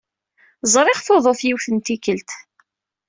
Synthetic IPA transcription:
zˤɾˤɪʁθoðˤoθjiwθənt̪ikəlt̪

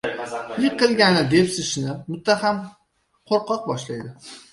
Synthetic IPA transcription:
jɪqʰːɨlˠɡʲanɪd̪e̞psɪʃnɪmʊt̪ʰːaɦam | qʰoɾqʰɒq̚bɒʃlajd̪ɪ

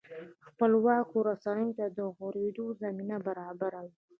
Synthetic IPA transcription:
xpəlwɑkoɾasanəjot̪ad̪əɣoɾed̪ozaminabaɾɑbaɾawi

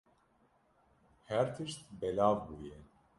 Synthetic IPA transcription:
hɛɾt̪ʰɨʃt̪bɛlaːvbuːjɛ

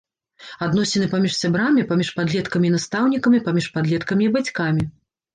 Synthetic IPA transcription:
ad̪nɔsʲɛnɨpamʲiʂsʲabɾamʲipamʲiʂpad̪lʲɛt̪kɐmʲinast̪awnʲikɐmʲipamʲiʂpad̪lʲɛt̪kɐmʲiːbat͡sʲkamʲi

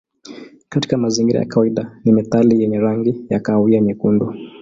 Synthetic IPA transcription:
kati̥kamaziŋɡiɾa̰ja̰kawaiɗanimɛθalijɛɲɛɾaŋɡijakawiaɲɛkundu

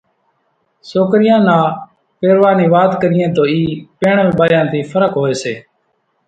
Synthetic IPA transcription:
soːkɾɪjãːnãː | peːɾʋaːniːʋaːd̪kəɾɪjẽːt̪oːiːpeːɳəlɓaːjãːt̪iːfʰəɾəkɦoːeːseː

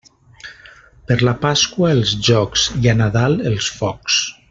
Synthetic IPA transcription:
pəɾlapaskwaelˠzʒɔksianaðaləlˠsfɔks

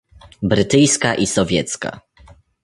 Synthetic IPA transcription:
bɾɘt̪ɘjskaʔisɔvʲjɛt̪ska̰

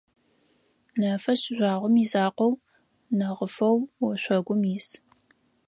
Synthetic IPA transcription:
nɐfɐɕɪʒʷɑːʁʷʊmiːzaːqɔw | nɐʁəfɐwwɔɕʷɔɡʷʊmjɪs

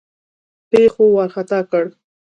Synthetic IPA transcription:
pexowaɾxat̪ɑkəɽ

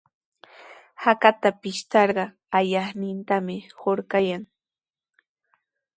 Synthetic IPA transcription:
hakat̪apɪʃt̪ɑɾɢɑ | aʎɑχnɪnt̪amɪhoɾkajaŋ

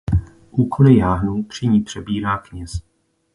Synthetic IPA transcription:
ʔuːkolɪjaːɦnupr̝̥ɪɲiːpr̝̥ɛbiːɾaːkɲɛs

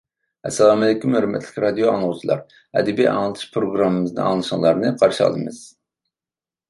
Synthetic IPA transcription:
ɛ̰sːɛlˠɑːmɛd̪ɪkʲimøɾymɛ̰t̪ʰlʲɪkʲɾɑd̪ijoɑŋnʁut͡ʃʰlˠɑ̰ɾ | ɛ̰d̪ɛbiʔɑ̰ŋlˠɨt̪ʰɨ̥ʃpʰɾoɡɾɑmːɨmɨznɨ̰ɑ̰ŋlˠɨʃŋlˠɑɾnɨqʰɑɾʃɑ̰lˠd̪ɨ̰mɨz̥

